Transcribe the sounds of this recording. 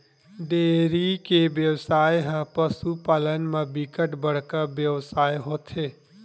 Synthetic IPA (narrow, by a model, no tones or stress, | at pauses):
ɖeːɾikeʋjəwsaːjɦə̃pəsupaːlənmẽbɪkəʈbəɽ̤kəɾbjəwsaːjɦoːt̪ɦeː